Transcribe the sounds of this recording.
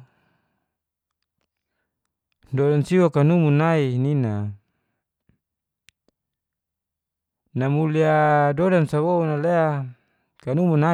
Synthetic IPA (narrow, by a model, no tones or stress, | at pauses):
dodansiwakanumunainina | namuliadodansawounalea | kanumuna